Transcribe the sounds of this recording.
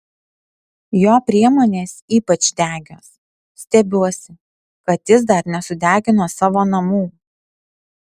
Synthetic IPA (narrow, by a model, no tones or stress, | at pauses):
joːpʲɾʲiɛmoːnʲeːsʲiːpɐt͡ʃd̪ʲæːɡʲoːs | sʲt̪ʲɛbʲuɔsʲɪ | kɐt̪jɪs̬d̪ɐɾnʲɛsʊd̪ʲæːɡʲɪnoːsɑːʋoːnɐmuː